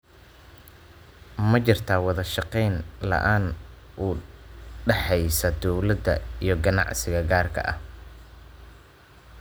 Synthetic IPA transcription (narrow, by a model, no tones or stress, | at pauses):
mɐt͡ʃɪrt̪ʰaːwɑðɐʃɑqɛjnlɐ̰ʔaːn | ʔuːɖɛħɛjsɐd̪ɔwlɐd̪ɐ̰ijɞɡɐnɑ̰ʕsɪɣɐɡaːrkʰɐ̰ʔɐ̰h